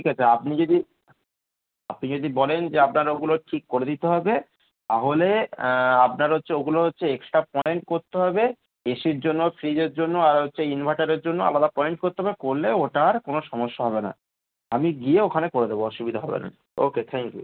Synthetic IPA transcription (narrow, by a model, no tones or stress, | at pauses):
ʈʰikat͡ɕʰeapnid͡ʑod̪i | apnid͡ʑod̪ibɔlend͡ʑeap̚naɾoɡuloʈʰikːoɾed̪it̪eɦɔbe | t̪aɦole | ap̚naɾɦotːɕʰeoɡuloɦotːɕʰeeksʈɾapɔeɳʈkoɾt̪eɦɔbe | eʃiɾd͡ʑonːofʰɾid͡ʑeɾd͡ʑonːoaɾɦotːɕʰeinbʱajʈaɾeɾd͡ʑonːoa̰lad̪apɔeɳʈ̚koɾt̪eɦbekoɾleoʈaɾkonoʃɔmoʃːaɦɔbena̰ | amiɡieokʰanekoɾed̪eboɔʃubid̪ʱaɦɔ̰bḛna̰ | o̰ket̪ʰɛŋkjṵ